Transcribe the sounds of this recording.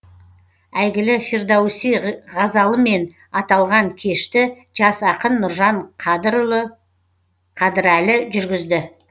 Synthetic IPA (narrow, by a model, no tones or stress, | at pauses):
æjɡʲɪlɪferd̪ɑwsiʁɑzɑlˠəme̞n | ɑt̪ɑlˠʁɑŋkʲʰe̞ʃt̪ɪ | ʒɑsɑqənːʊɾʒɑɴ | qʰɑd̪ɪɾælɪʒʏɾɡʲɪzd̪ɪ